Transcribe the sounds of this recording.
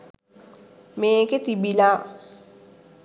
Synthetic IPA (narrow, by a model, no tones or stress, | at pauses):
meːket̪ibilaː